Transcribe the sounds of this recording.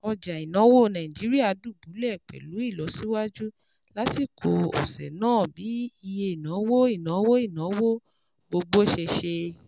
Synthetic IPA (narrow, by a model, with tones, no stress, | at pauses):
ɔ˧d͡ʒa˨i˨nã˨˦wo˦˨nã˨ĩ˨d͡ʒi˨˦ɾi˦a˦˨du˦˨bu˨˦lɛ˦˨k͡pɛ̰˨lu˨˦i˦˨lɔ˨˦si˦wa˦d͡ʒu˦ | la˨˦si˦˨kʰo˧ɔ̰˨sɛ̰˨nãː˦˨bi˨˦i˧je˧i˨nã˨˦wo˦i˦˨nã˨˦wo˦i˦˨nã˨˦wo˦ | ɡ͡bo˧ɡ͡bo˦˨ʃe˧ʃe˧